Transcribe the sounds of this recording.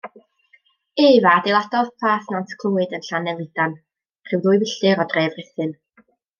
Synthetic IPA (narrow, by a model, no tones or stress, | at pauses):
eːvadelˠadɔðpʰaːθnantʰkʰlˠuːɨdənɬanɛvlˠɨd̥an | r̥ɨwðuːjvɪɬɨɾɔdreːvrɪθɨn